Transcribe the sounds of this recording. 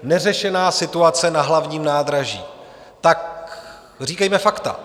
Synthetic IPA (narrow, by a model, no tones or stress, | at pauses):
nɛrɛʃɛnaːsɪt̪uat͡sɛnaɦlavɲiːmnaːd̪ɾaʒḭː | t̪ak | r̝iːkɛjmɛfakt̪a̰